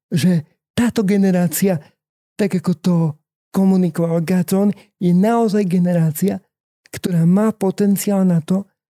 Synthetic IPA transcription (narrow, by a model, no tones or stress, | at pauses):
ʒɛ | t̪aːt̪ɔɡɛnɛɾaːt͡sia | t̪aɡakɔt̪ɔ | kɔmunikɔʋalɡazɔn | jɛnaɔzajɡɛnɛɾaːt͡sia | kt̪ɔɾaːmaːpɔt̪ɛnt͡siaːlnat̪ɔ